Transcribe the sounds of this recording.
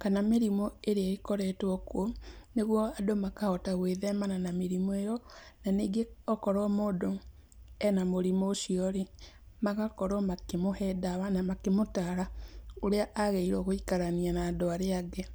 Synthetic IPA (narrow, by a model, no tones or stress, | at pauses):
kanameɾimɔeɾeaekɔɾɛtwɔkwɔneɣwɔadomakahɔtaɣweːðɛmananameɾimɔejɔnaniːɡeɔkɔɾɔmoːdo | ɛnamoɾimoːʃiɔɾe | maɣakɔɾɔmakemohɛːdawanamakemotaɾaoɾeaʔaɣeiɾɔɣoikaɾanianaːdoaɾeaɡe